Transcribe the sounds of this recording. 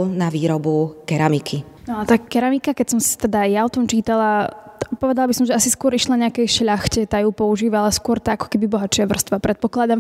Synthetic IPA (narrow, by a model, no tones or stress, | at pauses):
naʋiːɾɔbukɛɾamikʰi | nɔat̪aːkɛɾamikakɛcsɔmst̪ɛd̪ajaɔt̪ɔmt͡ʃiːt̪alapɔʋɛd̪alabisɔmʒɛasiskʊɔɾiʃlaɲɛakɛjʃʎaxcɛt̪ajuːpɔuʒiːʋalaskʊɔɾt̪aakɔ̥kɛbibɔɦat͡ʃɪaʋr̩st̪ʋapɾɛt̪̚pɔklad̪am